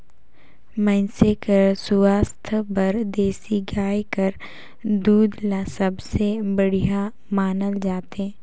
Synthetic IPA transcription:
mɛ̃nsekəɾsʊaːst̪ʰbɐɾd̪eːsiɡaːjkəɾ | d̪uːd̪lãsɐbsebəɽija | maːnəld͡ʒaːt̪ɦɛ̃ː

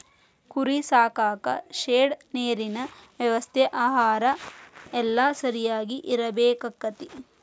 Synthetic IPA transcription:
kuɾisaːkaːkɐ̰ʃeːɽneːɾinɐʋjɐʋɐst̪ʰɛʔaːɦaːɾɐɛlːɐsɐɾijaːɡiʔiɾɐbeːkɐkːɐt̪i

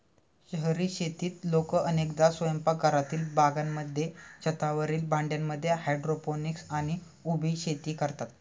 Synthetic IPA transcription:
ɕəɦəɾiɕet̪iːt̪lokəʔənekd̪asʋəjəmpaɡʱəɾat̪iːlbaɡamːəd̪ʱjet͡ɕət̪aʋəɾiːlbaɳɖjamːəd̪ʱːjeɦajɖɾoponiksaɽ̃i | ubʱiɕet̪iːkəɾt̪at̪̚

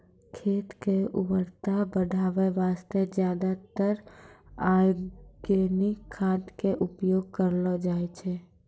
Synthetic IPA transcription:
kʰeːt̪keubəɾt̪abəɖʱaːʋeʋaːst̪ed͡ʒjaːd̪at̪əɾaɡenikʰːãt̪keʔʊpjoːɡ̚kəɾlɔd͡ʒaːɛt͡ʃʰɛ

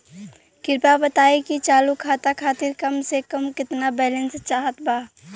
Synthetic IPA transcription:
kɪɾpabɐt̪aːekit͡ʃaːlukʰaːt̪akʰaːt̪ɪɾkɐmsekɐmkɪt̪nabɛːlə̃nst͡ʃaːɦət̪baː

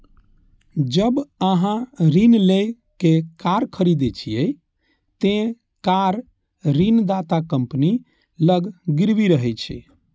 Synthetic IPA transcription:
d͡ʒəbəɦãɾinle | kekaɾkʰəɾid̪et͡ʃʰijɛ | t̪ẽ | kaɾː | ind̪at̪akəmpni | ləɡɡiɾbiɾəɦɛt͡ʃʰḭ

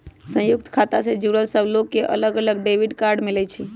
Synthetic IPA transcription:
sə̃juk̚t̪kʰat̪asẽd͡ʒuɾəlsəbʱlokːeʔə̰ləɡələɡɖebiɖkaɾɖmilɛt͡ʃʰi

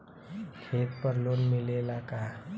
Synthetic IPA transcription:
kʰet̪pəɾlonmilelaka

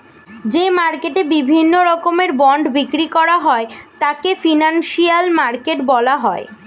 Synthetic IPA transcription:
d͡ʑemaɾkeʈebibʱinːoɾɔkomeɾbɔɳɖbikɾikɔɾaɦɔet̪akefinanʃijalmaɾkeʈbɔlaɦɔe

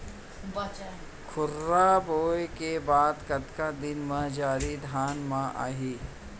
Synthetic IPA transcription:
kʰʊɾːaboːjkebaːd̪kɐt̪kad̪ɪnmãd͡ʒaːɾid̪ʱaːnmãʔa̰ːɦiː

